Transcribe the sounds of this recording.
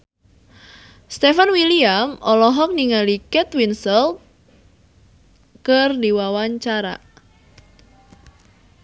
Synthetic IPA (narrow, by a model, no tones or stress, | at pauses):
st̪efanwiliamʔɔlɔɦɔk̚niŋalikɛt̪winsɛl̚ | kərdiwawaɲt͡ʃaɾa̰